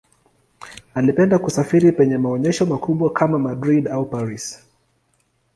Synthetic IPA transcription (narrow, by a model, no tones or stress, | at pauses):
alipɛndakusafiɾipɛɲɛmaɔɲɛʃɔmakuɓwakʰamamadɾiɗaupaɾis